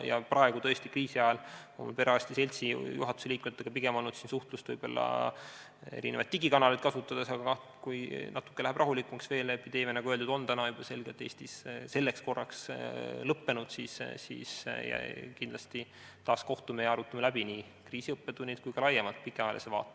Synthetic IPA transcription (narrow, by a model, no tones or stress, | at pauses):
jɑ̰prɑe̞ɡ̥ut̪ɤ̞est̪ikriːsiɑɑlo̰mṵlpe̞ɾeɑsʲt̪ise̞lʲt̪sijuɦɑt̪ːˑu̥se̞liːkumet̪ːˑeɡ̥ɑpiɡ̥e̞molːnut̪sinsuht̪lust̪vɤjb̥o̞lːɑ̰ | ḛɾinevɑ̰t̪t̪ːiɡikɑnɑlit̪̚kɑsut̪ːˑɑd̪̥esɑɡ̥ɑkɑ | kujnɑt̪ːˑu̥kːelæhæb̥rɑɦulikːˑumɑksve̞ːlepːid̪e̞ːmenɑɡuøld̪ud̪̥o̞nt̪ænɑjub̥ɑse̞lɡ̥et̪ːeːsʲt̪isse̞lːeksko̞rːɑkslɤpːe̞nud̪̥siːssḭːsjɑ̰kind̪̥lɑst̪i | t̪ɑːsko̞ht̪umejɑɾut̪ːˑɑmelæbiniː | kriːsiɤpːet̪unʲːit̪kujkɑlɑjːemɑlt̪̚pikːˑeɑelʔesevɑ̰ːt̪ːˑe̥